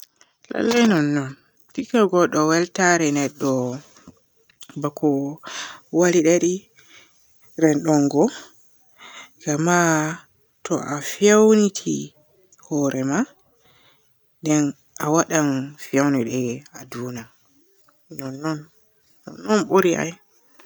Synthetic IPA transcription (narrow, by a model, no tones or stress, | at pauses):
la̰lːajnɔnːɔn | fikaɡɔɗɔwɛltaɾɛnɛɗːɔ | bakʰɔ | waliɗaɾi | ɾɛnɗɔŋɡɔ | ɡ̥ama | tʰɔʔafiawnitʰi | hɔɾʔɛma | ndɛn | awaɗamfiawniɗɛaduːna | nɔnːɔnː | ɔ̰nːɔnɓuɾiʔa̰j